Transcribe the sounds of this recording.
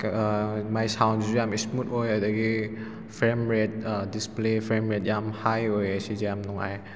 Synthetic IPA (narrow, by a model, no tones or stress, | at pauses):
majsawnzujamismutojadɐɡi | pʰɾemɾet̚displepʰɾemɾet̚jamhajojɐsizejamnɔŋa̰j